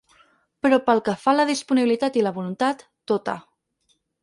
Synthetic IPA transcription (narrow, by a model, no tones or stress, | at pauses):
pəɾɔpəlˠkəfaləð̞ispuniβilit̪at̪iləβulunt̪at̪ːot̪ə̰